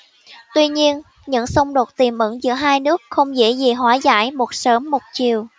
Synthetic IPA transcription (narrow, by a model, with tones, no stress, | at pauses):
t̪wi˧ɲi˧ən | ɲɨ̰˧˥ŋsə˧wŋ͡mɗo˨˩t̚t̪i˨˩mʔɨ̰˧˥ŋzɨ̰˧˥əɦaː˧jnɨ˦˥ək̚xə˧wŋ͡mzḛ˧˥zi˨˩ɦwaː˨˦za̰ː˧˥jmo˨˩t̚səː˨˦mːo˨˩t̚t͡ɕi˨˩əw